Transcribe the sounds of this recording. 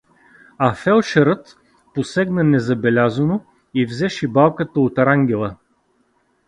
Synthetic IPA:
ɐfɛlˠʃɛɾət̪ | posɛɡnənɛzɐbɛlʲazəno | ivzɛʃɛbalˠkət̪əot̪ɾaŋɡʲɛlˠə

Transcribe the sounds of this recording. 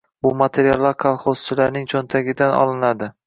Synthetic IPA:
bʊmat̪ʰe̞ɾijalˠːaɾkʰalˠχoz̥t͡ʃʰɪlaɾnɪŋt͡ʃʰɒnt̪ʰaɡʲɪd̪anɒ̰lˠɪnad̪ɪ

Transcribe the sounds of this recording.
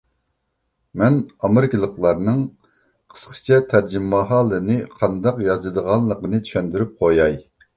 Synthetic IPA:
mɛnɑmɨɾkʲilˠəχlˠɑɾnɨŋ | qʰə̥sqʰə̥t͡ʃʰɛt̪ʰæɾd͡ʒimːɑɦɑːlˠɨnɨqʰɑnd̪ɑqjɑzɨd̪əʁɑnlːˠəqənɨt̪ʰy̥ʃɛnd̪yɾyp̚qʰojɑj

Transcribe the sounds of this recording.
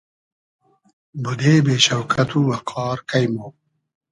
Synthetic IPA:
bud̪eːbeːɕɐwkʰɐt̪uwɐkʰɑːɾkɐjmo

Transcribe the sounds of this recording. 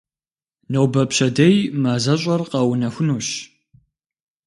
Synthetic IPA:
nɐwbɐpɕɐdɐjmaːzɐɕʼɐrqɑːwnɐxʷʊnuːɕ

